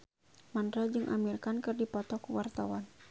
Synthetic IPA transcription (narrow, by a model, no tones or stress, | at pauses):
mandɾad͡ʒɨŋʔa̰mirkankɨrdipɔt̪ɔkuwart̪awan